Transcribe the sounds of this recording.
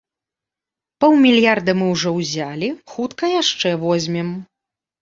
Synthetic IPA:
pɔwmʲilʲjard̪ɐmɨwʐɔwzʲalʲixut̪kɐjaʂt͡ʂɛvɔzʲmʲɛm

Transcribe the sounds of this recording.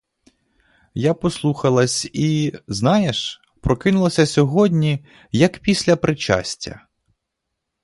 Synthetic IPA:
japɔslˠuxɐlˠɐsʲiznɑjeʃ | pɾɔkɪnʊlˠɐsʲɐsʲɔɦɔdʲnʲi | jɐkpʲisʲlʲɐpɾɪt͡ʃa̰sʲtʲːɐ̰

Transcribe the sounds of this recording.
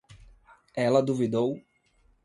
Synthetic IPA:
ɛlɐd̪uvid̪ow

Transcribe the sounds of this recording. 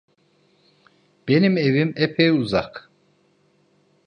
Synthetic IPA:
b̥e̞nimevimɛpʰejuzak

